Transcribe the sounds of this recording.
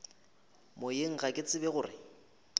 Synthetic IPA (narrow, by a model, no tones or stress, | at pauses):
mojeŋ̩ɣakʼɪt͡sʼɪbɛɣʊːrɪ̰